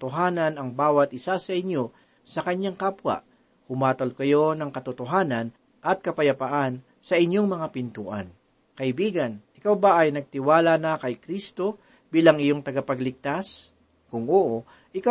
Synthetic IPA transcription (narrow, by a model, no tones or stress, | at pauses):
t̪oɦaːnɐnɐŋbaːwɐt̪̚ʔɪsasɐʔɪɲjo̞ | sɐkɐɲjaŋkapwɐ̰ʔ | hʊmaːt̪olkɐjo̞nɐŋkɐt̪ʊt̪oɦaːnɐn | ʔɐt̪̚kɐpɐjɐpɐʔan | sɐʔɪɲjo̞ŋmɐŋapɪnt̪ṵːʔɐ̰n | kɐʔɪbiːɡɐnʔɪkawbaʔɐjnɐɡ̚t̪ɪwaːlanɐkɐjkɾist̪o̞ | biːlɐŋɪjo̞ŋt̪ɐɡɐpɐɡlɪɡ̚t̪as | kʊŋʔoʔo | ʔɪka